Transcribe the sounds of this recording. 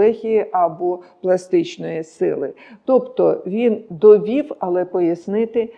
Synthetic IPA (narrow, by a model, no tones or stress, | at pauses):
ɛxʲijiʔɐbɔplˠɐst̪ɪt͡ʃnɔjisɪ̰lˠɪt̪ɔpt̪ɔʋʲind̪ɔʋʲiwɐlˠɛpɔjɐsnɪt̪ɪ